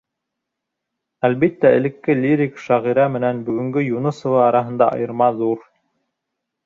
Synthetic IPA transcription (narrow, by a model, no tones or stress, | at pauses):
ælβit̪ːæɘ̰̆lɘ̆kːɘlʲiɾʲikʃɑʁiɾɑmɘ̆nænbɵ̆ɡɵ̆ŋɡɵjunɤ̆sŏvɑɑɾɑɦɤ̆nd̪ɑɑ̰jɤ̆ɾmɑðuɾ